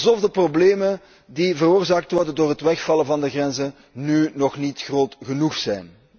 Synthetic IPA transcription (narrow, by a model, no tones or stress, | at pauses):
zɔvdəprobleːmən | divəɾoːrzaːk̚tʋɔrdəndoːrɦətʋɛxfɑləvɑndəɣrɛnzə | nynɔxnitxroːtɣənuxsɛjn